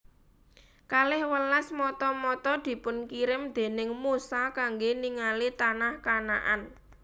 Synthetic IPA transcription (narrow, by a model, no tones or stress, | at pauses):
kalɪhwəlasmɔt̪ɔmɔt̪ɔd̪̥i̤pʊnkiɾɪmd̪̥e̤nɪŋmusakaŋɡeniŋalit̪anahkana̰ʔan